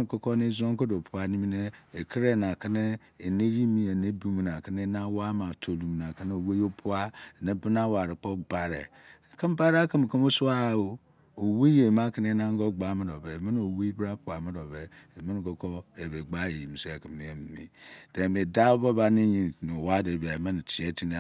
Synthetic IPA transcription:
ko˦ko˦ne˦zo˦ŋ˦ko˦do˨pʰu˦a˦ni˦mi˦ne˦e˨kʰi˦ɾe˦˨na˨ki˦ne˦˨ | ne˦ɾi˦mi˦e˨ne˦bu˦m˨na˨ki˦ne˦na˦wa˦ma˨tʰo˨lu˨m˨na˨ki˦n˦o˨we˦jo˦pʰu˦a˦e˨ne˦bi˦na˦wa˨ɾi˨k͡po˦ba˦ɾḛ˨ | ki˦m˦ba˦ɾa˦ki˦m˨ki˦mo˦su˦a˦˨o˦ | o˨we˦je˨ma˦ki˦n˦e˦na˦ŋ˦ɡo˦ɡ͡ba˨˦ma˦ɾo˨be˨mi˦n˦o˨we˦i˦bɾa˦k͡pu˨a˨mi˦ɾo˨be˨ | e˨mi˦n˨ɡo˨ko˦e˨be˨ɡ͡ba˦je˨ji˨mi˨se˦e˨ki˨mi˨je˦m˨mḭ˨d̥e˨me˨da˦bo˦ba˦ni˦ɲi˨nu˨wa˦de˨ba˨e˨ma˦n˨ti˨e˦ti˦n˦

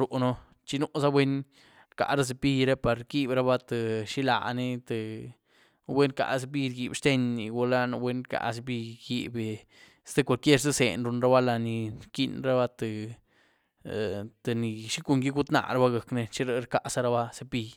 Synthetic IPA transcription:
ɾo˨ʔno˧ | t͡ʃi˧nu˦ʔsa˦wʷe˦n | ɾka̰˨ʔɾa˦s̬e˧pi˧ɾe˦pa˨ɾki˦bɾa˧ba˦t̪e˨ʃi˦la̰˧˨ne˧t̪e˨ | we˦nka̰˨ʔs̬e˧p̬i˦ɾɡi˨bʃt̪e˧ɲːi˨ɡu˧la˦no˧wʷe˦nka̰˨˧ʔs̬e˧p̬i˧ɡi˧be˨ | st̪e˧kʷa˧lkje˦ɾse˦se˨nɾu˧nɾa˦ba˦la˧ni˨ɾki˦˧nɾa˦ba˦˧t̪e˨ | t̪e˨ni˨ʃi˦ku˧ŋɡi˦ɡu˦t̪na̰˧˨ɾa˦ba˦ɡə˨kne˧t͡ʃi˦ɾe˦ɾka˦˧ʔsa˦ɾa˧ba˦se˧pi˧j

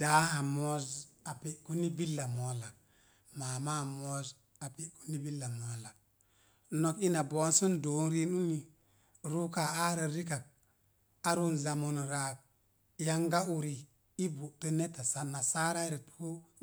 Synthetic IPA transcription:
d̥a˨˦a˨mo˦za˨pi˨ʔku˦ni˦bi˦lːa˨mo˨la˨ | maː˨ma˦˨mo˦z | a˨pi˦ku̥˦ni˦bi˦lːa˨mo˨la˨ | no˨ki˦na˨bo˨˦nsu˦ndo˨˦n˦ɾi˦nu˦ni˨ | ɾu˦ka˨a˦ɾa˨ɾi˦ka˨k̚ | a˦ɾu˦nza˨mu˨n˨ɾa˨k̚ | ja˦ŋɡa˦u˦ɾi˨ | i˦bu˨tu˦ne˦ta˨sa˦˨na˨sa˦ɾa˦ɾi˨tku˦

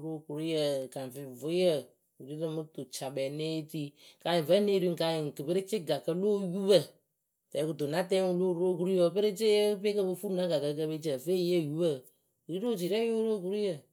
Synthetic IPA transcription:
ɾo˦˨ku˨ɾjə˨ka˨n˨vɪ˨vʊ˨˦jə˦˨ | u˨ɾi˦ɾə˧mɨ˦to˨t͡ʃa˨ɓɛ˨ne˦ti˦ka˨jɪ˨və˦ne˦ɾu˦ŋ̩˨ka˧jɪ˨ŋ˨kɨ˨pɨ˦ɾɪ˦t͡ʃɪ˦ɡa˨kə˦lo˦ju˦bə˦˨ | tɛ˨˦ku˨to˨na˦tɛ˦wu˧˦lo˦˨ɾo˦˨k̬u˦ɾi˦jə˧˦˧pɨ˦ɾɪ˦t͡ʃe˦ə˦pe˦kə˧bɨ˧fu˦na˦ɡa˨kə˧˦kə˧be˦t͡ʃə˨fe˦je˦˨ju˦bə˦˨ | ɾi˦ɾo˦˨t͡ʃi˨ɾɛ˦jo˦ɾo˦˨ku˦ɾi˦jə˦˨

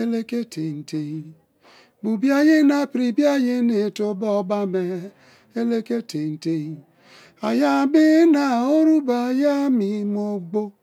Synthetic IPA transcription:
e˦le˦ke˦tʰe˨n̩˨te˨i˨ | bu˨bja˦je˦na˦˨pɾi˨bja˦je˦ne˨to˨bɔ˦˨ba˦me˨ | e˦le˦ke˦te˨n̩˨te˦i˨ | a˨ja˦˨bi˦na˨o˦ɾu˦ba˨ja˦mi˨mo˨ɡ͡bo˦

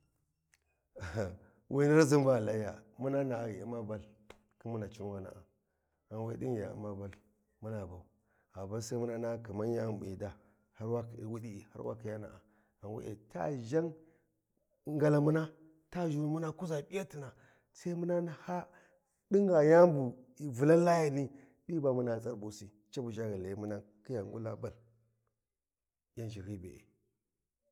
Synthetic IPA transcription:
wʔi˦na˦ɾzi˦mba˦˨la˦ja˨mu˦na˦na˨ɣi˨i˦ma˦ba˦l | ki˦mu˦na˨t͡ʃi˦n˦wa˦na̰˨a˨ | a˨we˦di˦ŋ˨ja̰˨˦ma˦ba˦˨l | mu˦na˨ba˨u˨ | a˨ba˦sa˦mu˦na˦na˦ki˨ma˦nja˦˨mbḭ˨da˦ | ha˦ɾwa˦kwu˦ɗi˦˨ha̰˦ɾwa̰˦ki˨ja˦na̰˨a˨ | a˨wḛ˦ʔḛ˨ta̰˦ʒa˦ŋ | ŋɡa˨la˨mu˦na˦ | ta˦ʒu˨mu˦na˦ku˦za˨ɓi˦ja˦ti˨na˨ | sa˦i˦mu˦na˦na˦ha˦ | di˦ŋɡa˨ja˦mbu˨vu˨la˦la˦ja˨ni˦ | ɗi˦ba˨mu˦na˦˨t͡sʼa˦ɾbu˨si˦ | t͡ʃa˦bu˨ʒa˦ɣi˨le˨˦mu˦na˦ | ki˦ja˨ŋɡu˦la˦ba˨l | ja˦nd͡ʒi˨ɣi˦bḛ˨ḛ˨

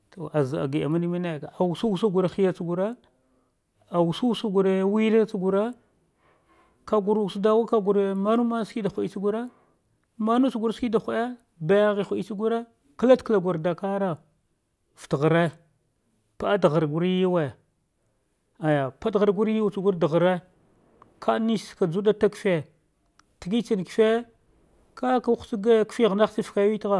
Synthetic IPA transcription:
to˨ʔa˨za˨a̰˨ɡi˨a̰˨ma˦ni˦mi˦ne˦˨ka˨a˨wu˨su˦wu˦su˦ɡu˨ɾe˨xi˦ja˦t͡su˦ɡu˨ɾe˦ | a˨wu˨su˦su˦ɡu˨ɾe˦wi˦ɾe˦t͡sɡu˨ɾe˦ | ka˨ɡu˨ɾu˨su˦da˦wa˦ka˦ɡu˨ɾe˦ma˦nu˦ma˦ski˦da˨xʷa˨i˦t͡ʃi˦ɡu˦ɾe˦ | ma˦nu˦t͡ʃu˦˨ɡu˨ɾski˦da˨xʷe˦ | ba˦ja˦ɣi˨xʷu˨i˦t͡ʃi˦ɡu˦ɾe˦ | kla˦tkla˨ɡʷa˨ɾda˨ka˦ɾa˨ | ftɣə˨ɾe˦ | pa˦a˦dɣa˨ɾɡu˨˦ɾji˦we˨ | a˨ja˨pa˦dɣa˨ɾɡu˦ɾi˦wt͡su˨ɡu˦ɾda˨ɣɾe˦ | kʰa˦ni˦ska˨d͡zu˦da˦ta˦kfe˦ | ti˨ɡi˦t͡ʃi˨n˨ki̥˨fe˦ | ka˦ka˨˦si˦ɡa˦kfi˦ɣna˦si˦fka˦wi˦tɣa˨

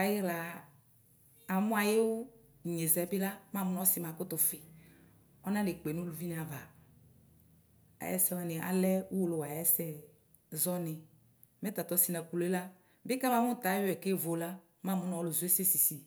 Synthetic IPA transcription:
a˨ji˦la˨ | a˨mʊ̃˦a˨je˦wʊ˦˨ | ɲe˨zɛ˨˦bɪ˦la˦mã˦˨mʊ˦nɔ˦sɪ˨mã˨kʊ˦t̪ʊ˨fɪ˨ | ɔ˦nã˦de˨k͡pe˨nũ˦lu˨vi˦n˨a˨va˨ | a̰˨jɛ̰˦sɛ˦wa˨nɪ˨ʔa̰˨lɛ˦u˦wo˦˨lo˨wa˨jɛ˦sɛ˦ | zɔ˦nɪ˨ | mɛ˦t̪a˨t̪ɔ˦si˦na˨ku˨le˦la˦ | bɪ˦ka˦ma˦mʊ˦t̪a˨˦wɛ˨ke˦˨vo˨la˦ | ma˦˨mʊ˦n˦ɔ˦lʊ˨zu˨˦e˦se˦si˨si˨

